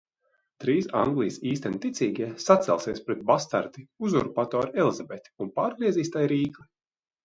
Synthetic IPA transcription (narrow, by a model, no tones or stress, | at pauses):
t̪ɾiːsa̰ŋɡlˠijsiːst̪ɛnʲit̪it̪siːɡʲiɛsat̪sʲɛ̰lˠsiɛspɾɛt̪̚bast̪a̰ɾt̪iuzuɾpat̪ɔːɾɛlˠizabet̪ʲi̥unpaːɾɡɾiɛziːst̪ajɾiːklˠi